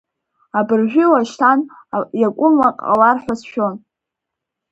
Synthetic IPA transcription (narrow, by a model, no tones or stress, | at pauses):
abɨrʒᶣʷilaʃtʰan | jakʷʼʊmwaqʼa̰larħʷasʃᶣo̞n